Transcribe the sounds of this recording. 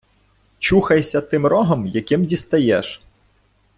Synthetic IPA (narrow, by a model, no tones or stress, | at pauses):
t͡ʃuxɐjsʲɐt̪ɪmɾɔɦɔmjɐkɪmdʲist̪ɐjɛʃ